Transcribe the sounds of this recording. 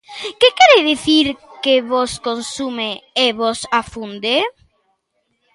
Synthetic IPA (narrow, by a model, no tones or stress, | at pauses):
kekɛɾeðiθiɾkeβoskonsumeeβosafund̪e